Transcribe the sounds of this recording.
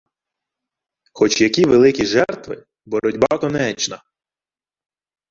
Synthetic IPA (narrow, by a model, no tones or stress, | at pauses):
xɔt͡ʃjɐkʲiʋelˠɪkʲiʒɛrt̪ʋɪ | bɔɾɔdʲbɑkɔnɛt͡ʃnɐ